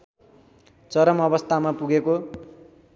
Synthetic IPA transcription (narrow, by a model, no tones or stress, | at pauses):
t͡sʌɾʌmʌbʌst̪ʰamapuɡeko